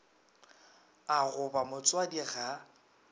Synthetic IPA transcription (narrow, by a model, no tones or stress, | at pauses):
aɣʊbamʊt͡sʼwadiɣa